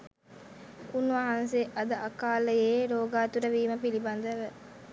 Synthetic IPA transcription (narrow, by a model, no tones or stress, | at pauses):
unʋaɦɐnseʔɐd̪ɐʔɐkaːləjeːɾoːɡaːt̪uɾəʋiːməpilibɐnd̪əʋə